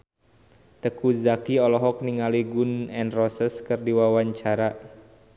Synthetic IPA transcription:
t̪əkuzakiɔlɔɦɔk̚niŋaliɡunɛnrɔsəskɨrdiwawaɲt͡ʃaɾa

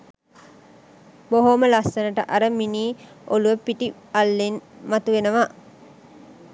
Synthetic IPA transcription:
boɦoməlasːənəʈəʔaɾəminiː | oluʋəpiʈi | alːinmat̪uʋenəʋa

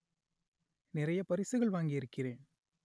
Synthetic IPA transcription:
nɪɾɐjɐpɐɾɪsɯɣɐɭʋaːŋɡɪjɪɾɯkːɪreːn

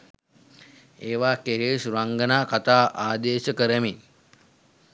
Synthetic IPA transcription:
eːʋaːkeɾeːsɾaŋɡənaːkɐt̪aːʔaːd̪eːɕəkəɾəmi

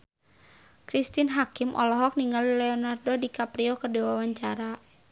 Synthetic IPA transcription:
kɾist̪inɦakimʔɔ̰lɔɦɔk̚niŋallɛɔnardɔdikapɾiɔkədewawaɲt͡ʃaɾa

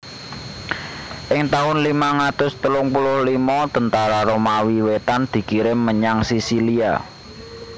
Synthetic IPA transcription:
ʔɪŋt̪aʊnlimaŋat̪ʊst̪əlʊŋpulʊhlimɔt̪ənt̪aɾaɾomawiwet̪and̪̥i̤kiɾɪməɲaŋsisilia̰

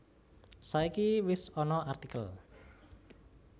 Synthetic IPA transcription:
saikiwɪsɔnɔart̪ikəl

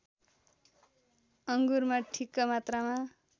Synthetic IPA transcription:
ʌŋɡurmaʈʰikːʌmat̪rama

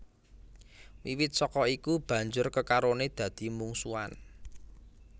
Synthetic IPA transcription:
wiwɪt̪̚sɔkɔikub̥ä̤ɲd͡ʒʊrkəkaɾoned̪̥ä̤d̪̥i̤muŋsua̰n

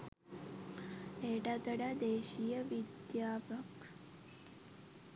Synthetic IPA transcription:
eːʈad̪ɐɽad̪eːʃijɐʋid̪jaːbɐk

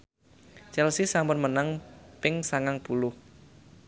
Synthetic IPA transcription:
t͡ʃɛlsisambʊnmənaŋpɪŋsaŋaŋpulʊh

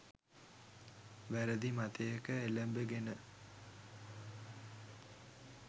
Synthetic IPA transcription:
ʋæɾəd̪imat̪ejəkəeləmbəɡenə

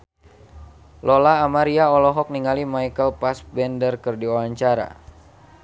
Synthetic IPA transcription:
lʔɔlaːmaɾiaɔlɔɦɔk̚niŋalimaikəlpasbɛndərkərdiɔaɲt͡ʃaɾa̰

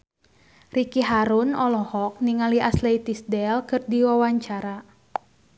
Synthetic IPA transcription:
rikiɦaɾunɔlɔhɔk̚niŋaliʔaslɛit̪isdɛlkɨrdiwawaɲt͡ʃaɾa

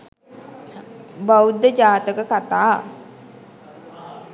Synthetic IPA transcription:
bawud̪ːəd͡ʒaːt̪əkəkat̪aː

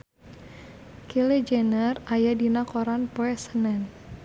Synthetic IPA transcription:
kiled͡ʒɛnərajadinakɔɾanpɔɛsənɛn

